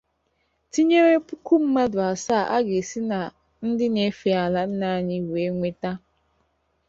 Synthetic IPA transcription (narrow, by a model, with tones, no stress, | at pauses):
ti˦ɲe˦ɾe˦pu˦ku˦m̩˦ma˦dʊ˨a˨sa˦˨ʔa̰˦ɡe˨si˦na˨ | n̩˦dɪ˦ne˨fi˨˦a˨la˦n̩˦na˦˨ɲɪ˦we˦ŋʷe˦ta˦